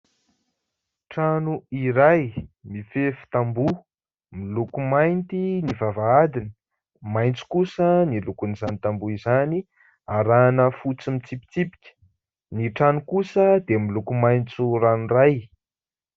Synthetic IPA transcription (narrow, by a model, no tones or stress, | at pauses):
ʈ͡ʂanuiɾajmifefu̥t̪ambu | milukumajnt̪inivavaad̪inə | majnt͡su̥kusənilukunizanit̪ambuizani | aɾanəfut͡simit͡sipi̥t͡sipi̥kʲə̥ | niʈ͡ʂanukusəd̪emilukumajnt͡suɾanraj